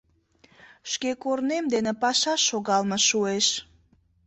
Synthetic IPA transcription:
ʃkekornemd̪enĕpɑʃɑʃːoɣɑlməʃueʃ

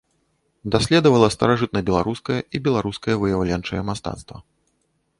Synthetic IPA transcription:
d̪asʲlʲɛd̪ɐvɐlˠɐst̪ɐɾaʐɨt̪̚nɐbʲɛlˠaɾuskɐjɛʔibʲɛlˠaɾuskɐjɛvɨjawlʲɛnt͡ʂɐ̰jɛmast̪a̰t̪st̪vɐ̰

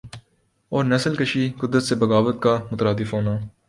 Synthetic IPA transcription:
ɔːɾnɛsəlkəʃiːkʊd̪ɾət̪sebɐɡaːbət̪̚kamʊt̪ɾaːd̪ɪfɦoːnaː

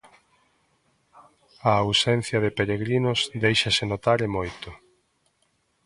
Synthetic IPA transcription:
ɐːwsɛn̟θjɐðɪpeɾeɣɾinʊsðejʃɐsɪnot̪aɾɪmojt̪ʊ

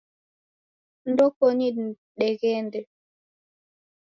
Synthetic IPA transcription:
ndɔkɔni | ɗɛɣɛndɛ

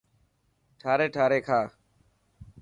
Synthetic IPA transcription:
ʈʰaːɾeːʈʰaːɾeːkʰaː

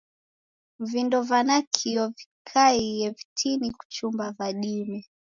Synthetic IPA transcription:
m̩vindɔvanakʰiɔvikʰaijɛvitʰiniku̥t͡ʃumbavaɗimɛ

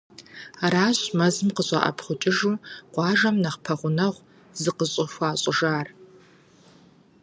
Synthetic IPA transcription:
aɾaːɕmɐzɨmqəɕʼɐ̰ʔɐ̰pʰχʷʊt͡ʃʼɪʒuːqʷɑːʒɐmnɐχpʰɐʁʷʊnɐʁʷ | zɨqəɕʼɪxʷɑːɕʼɪʒaːr

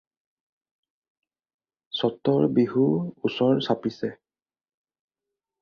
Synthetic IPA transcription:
sɔtːɔɹbiɦuusɔɹsapisɛ

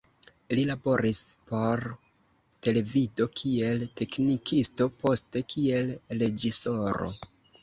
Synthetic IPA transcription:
lilabo̞ɾispo̞ɾ | te̞le̞vido̞kʰie̞lte̞knikʰisto̞po̞ste̞kʰie̞lɾe̞d͡ʒiso̞ɾo̰

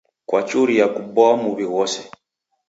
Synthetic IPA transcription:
kwat͡ʃuɾijakubɔamuβiwɔsɛ

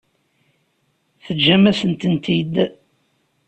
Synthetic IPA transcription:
θəd͡ʒːæmæsənt̪ənt̪id̪

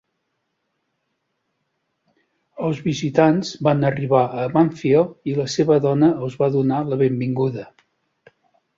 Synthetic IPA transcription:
əlˠzβizit̪anzbanəriβaəmaɱfioiləseβəðɔnəːlˠzβaðunaləβembiŋɡuðə

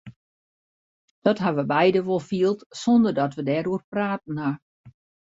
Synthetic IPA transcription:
d̥ɔtɦaʋəbɛjdəʋolˠfiəlˠtsɔndərdɔtʋədɛːɾuərpraːt̚n̩ːa

